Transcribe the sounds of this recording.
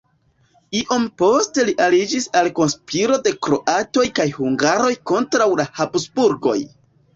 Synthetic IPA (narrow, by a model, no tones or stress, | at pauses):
iʔompo̞ste̞liʔalid͡ʒisalko̞nspʰiɾo̞de̞kɾo̞ʔato̞jkajhuŋɡaɾo̞jko̞ntɾawlahapsbuɾɡo̞̰j